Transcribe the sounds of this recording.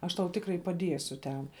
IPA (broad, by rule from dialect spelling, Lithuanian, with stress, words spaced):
ˈɐʃ tɐʊ ˈtʲɪkrɐɪ pɐˈdʲiɛsʲʊ tʲɛn